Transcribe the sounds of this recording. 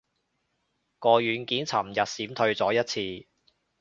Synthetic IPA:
kɔː˧jyː˨˥nkiː˨˥nt͡sʰɐ˨˩mjɐ˨t̚siː˨˥mt̪ʰɵ˧ɥt͡sɔː˨˥jɐ˥t̚t͡sʰiː˧

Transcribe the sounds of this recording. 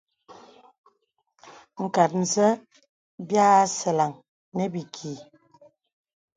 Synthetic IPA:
ŋ̩˨ka˨t̚n̩˨zə˦ | bja˦sə˨la˨ŋ | nɛ˦bi˨kʰi˨

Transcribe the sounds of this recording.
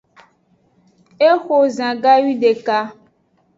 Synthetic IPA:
e˦xo˨zã˨ɡa˦ɥi˦ɖe˨ka˦

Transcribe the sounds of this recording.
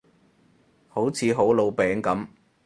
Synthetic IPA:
ho˨˥wt͡sʰiː˨˧ɦo˨˥wlo˨˧wpɛː˨˥ŋkɐ˨˥m

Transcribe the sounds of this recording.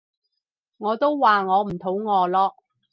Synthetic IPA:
ŋɔː˨˧t̪o˥wwaː˨ŋɔː˨˧m̩˨˩t̪ʰo˨˥wŋɔː˨˧lɔː˧

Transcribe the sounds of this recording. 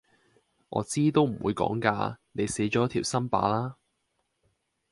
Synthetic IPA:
ʔɔ̰ː˨˧t͡siː˥t̪o˥wm̩˨˩wuː˨˧jkɔ̰ː˨˥ŋka̰ː˧ne˨˧jse˨˥jt͡ʃɔː˨˥t̪ʰiː˨˩wsɐ˥npa̰ː˨˥laː˥

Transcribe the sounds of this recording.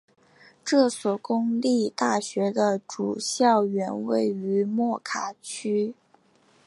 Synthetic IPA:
ʈ͡ʂɤ˥˩swɔ˨˩kʊ˥ŋli˥˧t̪a˥˩ɕɥɛ˧˥d̪ə˧ʈ͡ʂṵ˨˩ɕjɑ˥˩ʊɥɛ˧˥nwe˥˩ɪy˧˥mwɔ˥˩kʰa˨˩t͡ɕʰy˥

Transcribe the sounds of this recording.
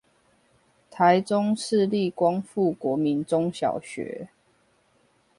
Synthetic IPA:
t̪ʰa˨˦ɪt͡sʊ˦ŋʂɻ̩˥˧li˥˨kwɑ˦ŋfu˥˨kwɔ˨˦mi˨˦nt͡sʊ˦ŋɕjɑ̰˨˩ʊɕɥɛ̰˨˥˦

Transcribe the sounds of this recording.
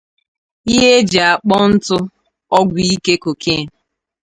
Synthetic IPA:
i˦ɦe˦d͡ʒa˨a˨k͡pɔ˦n̩˦tʊ˦ | ɔ˦ɡʷi˦ke˦ko˨kʰe˦˨

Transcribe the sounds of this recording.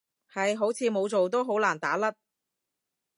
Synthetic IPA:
hɐ˨jɦo˨˥wt͡sʰiː˨˧mo˨˧wt͡so˨wt̪o˥wɦo˨˥wlaː˨˩nt̪aː˨˥lɐ˥t̚

